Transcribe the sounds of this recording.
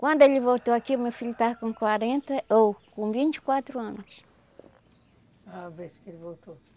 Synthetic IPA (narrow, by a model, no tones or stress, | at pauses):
kwɐ̃nd̪ʊelivowt̪oakiumewfiʎut̪aɐkõkwaɾẽnt̪ɐowkõvĩnt͡ʃi̥kwat̪ɾʊɐ̃nʊs | aveskelvowt̪o